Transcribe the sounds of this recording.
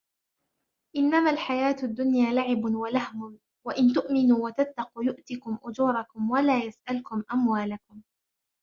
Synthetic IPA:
ʔɪnːamaːlħajaːt̪ʊd̪ːʊnjaːlaʕɪbʊwalahmʊn | waʔɪnt̪ʊʔmɪnuːwat̪at̪ːɑquːjʊʔt̪ɪkʊmʔʊd͡ʒuːɾˤɑkʊmwalaːjasʔalkʊmʔamwaːlakʊm

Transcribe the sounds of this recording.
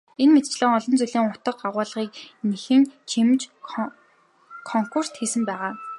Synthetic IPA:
enmet̪̚t͡ɕɮə̆ːŋɔɮɞ̆nt͡suɮiːŋʊt̪ə̆qɢaʁʊːɮʁiːk̚nexɘ̆ŋt͡ɕʰimt͡ɕ | kʰɔŋkur̥st̪xiːsɘ̆mpæːʁaː

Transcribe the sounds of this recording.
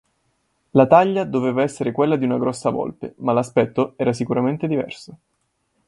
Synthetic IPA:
lat̪aʎːad̪oveːvaɛsːeɾekwelːad̪iunaɡɾɔsːavɔ̰lpḛmalaspɛt̪ːoɛːɾas̬ikuɾament̪ed̪ivɛ̰rso

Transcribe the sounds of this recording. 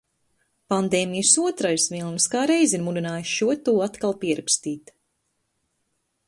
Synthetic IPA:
pand̪eːmijəsuɔt̪ɾajsvilˠnskaːɾejziɾmud̪inaːjusʃuɔt̪uːat̪kalˠpiɛɾakst̪iːt̪

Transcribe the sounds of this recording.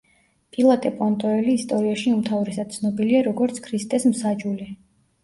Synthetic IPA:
pʼilˠat̪ʼɛpʼɔnt̪ʼɔɛliːst̪ʼɔɾiaʃiumt̪ʰavɾɛsad̪̥̚t̪sʰnɔbiliaɾɔɡɔɾt̪sʰkʰɾist̪ʼɛsmsad͡ʒuli

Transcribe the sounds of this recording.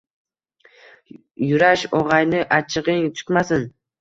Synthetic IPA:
jʊɾaʃɒʁɑjnɪʔat͡ʃʰɪʁɪŋt̪ʰʊ̥t̪masɪn

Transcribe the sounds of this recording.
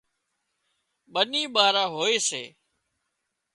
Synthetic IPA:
ɓəniːɓaːɾãːɦoːeːsḛː

